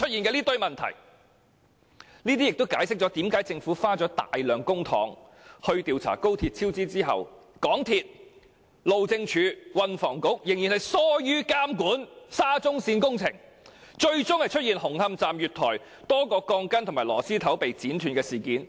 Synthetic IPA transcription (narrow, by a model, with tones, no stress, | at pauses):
t͡ʃʰɵ˥t̚jiː˨nkɛː˧liː˥t̪ɵ˧ɥmɐ˨nt̪ʰɐ̰˨˩j | niː˥t̪iː˥jɪ˨k̚t̪wkaː˨˥jsɪ˥k̚t͡ʃɔ˨˥t̪iː˨˥mkaː˨˥jt͡sɪ˧ŋfuː˨˥faː˥t͡ʃɔː˨˥t̪a̰ː˨jlœː˨ŋkʊ˥ŋt̪ʰɔ̰ː˨˥ŋ | hɵ˧ɥt̪iː˧wt͡sʰa̰ː˨˩ko˥wt̪ʰiː˧t̚t͡sʰiː˥wt͡siː˥t͡siː˥ɦɐ̰˨wkɔː˨˥ŋt̪ʰiː˧t̚ | lo˨wt͡sɪ˧ŋt͡ʃʰyː˨˥wɐ˧nfɔː˨˩ŋkʊ˨˥k̚jɪ˨˩ŋjiː˨nhɐ˨jsɔː˥jyː˥kaː˥mkuː˨˥nsaː˥t͡sʊ˥ŋsiː˧nkʊ˥ŋt͡sʰɪ̰˨˩ŋ | t͡ʃɵ˧ɥt͡sʊ˥ŋhɐ˨jt͡ʃʰɵ˥t̚jiː˨˩nhʊ˨˩ŋhɐ˧mt͡saː˨mjyː˨t̚t̪ʰɔː˨˩j | t̪ɔː˥kɔː˧kɔː˧ŋkɐ˥nt̪ʰʊ˨˩maː˨˩jlɔː˨˩siː˥t̪ʰɐ˨˥wpe˨jt͡siː˨˥nt̪ʰyː˨nkɛː˧siː˨˩kiː˨˥n